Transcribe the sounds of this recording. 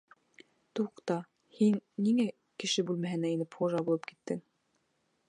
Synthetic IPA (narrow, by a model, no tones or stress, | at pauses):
t̪uqt̪ɑ | hinːiŋæ | kɘ̆ʃɘbʉlmæɦɘ̆næinɘpʰoʒɑbulˠɤp̚ki̥t̪ːɘŋ